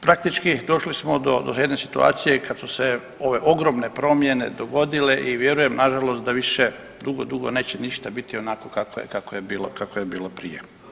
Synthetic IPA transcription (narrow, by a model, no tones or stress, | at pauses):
pɾakt̪it͡ʃkid̪o̞ʃlismo̞d̪o̞̰d̪oed̪nesit̪ua̰ːt̪sijekad̪suse | o̞ʋe̞ʔo̞ɡɾo̞mne̞pɾo̞mje̞ned̪o̞ɡo̞d̪ileʔiʋje̞ɾujemnaʒalost̪̚d̪aʋiʃe | d̪uɡod̪uɡone̞ːt͡ɕeniʃt̪abit̪io̞naːkokakoekakojebiːlo̰kakojebiːlopɾije